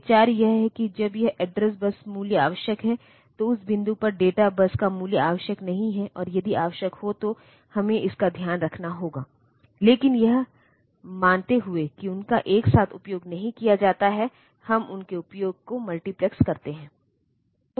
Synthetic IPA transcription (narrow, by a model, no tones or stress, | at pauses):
t͡ʃaːɾjɐɦɦɛkid͡ʒɐbjɐɦɛɖɾɛs̬bɐsmuːljəa̰ːʋəʃjəkɦɛ | t̪oʊsbɪ̃nd̪upɐɾɖeːʈabɐskamuːljəaːʋəʃjəknɐɦĩɦɛʔɔːɾjɐd̪ʱiʔaːʋəʃjəkhot̪o | hɐmẽɪskad̪ʱjaːnɾɐkʰnaɦoːɡaː | leːkɪnjɐɦ | mãːnt̪eɦʊekiʊnkaʔeːksaːt̪ʰʊpjoːɡnɐɦĩkijad͡ʒaːt̪aɦɛ | hɐmʊnkeʊpjoːɡ̚komɐlʈiplɛkskɐɾt̪eɦɛ̃ː